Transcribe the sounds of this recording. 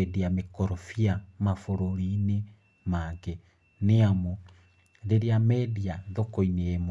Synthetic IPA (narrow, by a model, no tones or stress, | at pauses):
ɛdeamekɔɾɔfiamafoɾoɾine | maɡe | neamo | ðeɾeamɛdiaðokoineemo